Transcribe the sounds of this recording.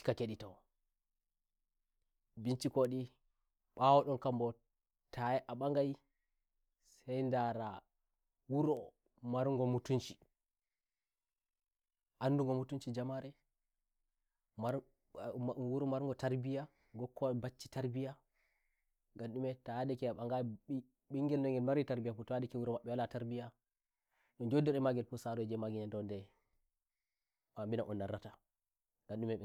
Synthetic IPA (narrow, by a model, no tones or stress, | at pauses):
kakeɗitawɔ | bint͡ʃikoɗi | ɓawɔɗɔnkambɔ | tajɛʔaɓaŋɡaj | sɛjndaɾa | wuɾɔ | maɾŋɡɔmutunt͡ʃi̥ | ʔanduŋɡɔmutunt͡ʃid͡ʒamaɾɛ | ma | wuɾɔmaɾŋɡɔtaɾbija | ɡɔkːɔbat͡ʃːitaɾbija | ɡanɗumɛtadɛkɛaɓaŋɡa | ɓiŋɡɛlnɔŋɡɛlmaɾitaɾbijafutaadɛkɛwuɾɔmaɓːɛwalataɾbija | ɗɔnd͡ʒodːɛɾɛmaɡɛlfusaɾɔɛd͡ʒɛmaɡiɲandɔndɛ | ɓambinaʔɔnːaɾːata | ɡanɗumɛɛ